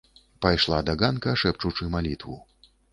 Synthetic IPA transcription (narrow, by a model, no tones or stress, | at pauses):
pajʂlˠad̪aɡankɐʂɛp̚t͡ʂut͡ʂɨmalʲit̪vṵ